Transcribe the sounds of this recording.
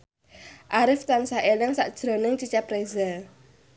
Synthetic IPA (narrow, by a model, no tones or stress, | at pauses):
ʔaɾɪft̪ansaʔelɪŋsaʔd̥ʒ̥ɾonɪŋt͡ʃit͡ʃapreza